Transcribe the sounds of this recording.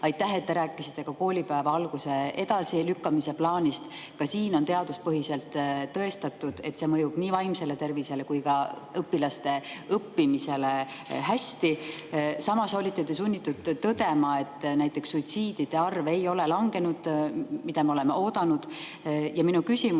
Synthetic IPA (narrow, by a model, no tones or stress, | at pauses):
ɑjt̪ːˑæɦe̞t̪ːe̞ɾæːkːˑisi̥t̪ˑːe̞kɑko̞ːlʲipæevɑɑlɡ̥use̞e̞d̪ɑsilykːɑmise̞plɑːnʲist̪kɑsiːno̞nt̪e̞ɑd̪uspɤɦise̞lt̪ːɤ̞e̞st̪ɑt̪ːˑud̪̥e̞t̪se̞ːmɤjub̥niːvɑjmse̞le̞t̪e̞rvise̞le̞kujkɑɤpːilɑst̪e̞ɤpːimise̞leɦæsʲt̪isɑmɑso̞lʲit̪ːˑet̪esunʲːit̪ːˑud̪̥t̪ːɤd̪e̞mɑe̞t̪ːˑnæjt̪ˑːe̞ksːujt̪siːd̪̥id̪̥e̞ɑrve̞jo̞le̞lɑŋɡ̥e̞nud̪̥mid̪̥ɑmeole̞meo̞ːd̪̥ɑnud̪̥ | jɑminukysʲim